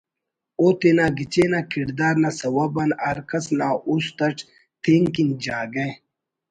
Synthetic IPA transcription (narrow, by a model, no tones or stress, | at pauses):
oːt̪enaːɡit͡ɕeːnaːkʰiɾd̪aːɾnasɐwɐbɐnɐɾkɐsnaʔust̪ɐʈ͡ʂ | t̪ʰeŋkind͡ʑaːɡe